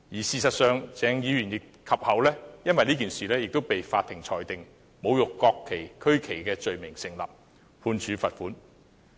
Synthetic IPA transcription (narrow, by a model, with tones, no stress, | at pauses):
jiː˨˩siː˨sɐ˨t̚sœː˨ŋt͡sɛː˨˧ŋjiː˨˧ɥyː˨˩njɪ˨k̚ | kʰːɐ˨p̚hɐ˨˥wlɛː˥jɐ˥nwɐ˨jliː˥kiː˨˩nsiː˨lɛː˥jɪ˨k̚t̪o˥wpe˨jfaː˧t̪ʰɪ˨˩ŋt͡sʰɔː˨jt̪ɪ˨ŋ | mo˨˧wjʊ˨kːɔː˧kʰːe˨˩jkʰɵ˥ɥkʰe˨˩jkɛː˧t͡ʃɵ˨ɥmɪ˨˩ŋsɪ˨ŋla̰ː˨˩p̚ | pʰuː˧nt͡ʃʰyː˨˧fɐ˨t̚fuː˨˥n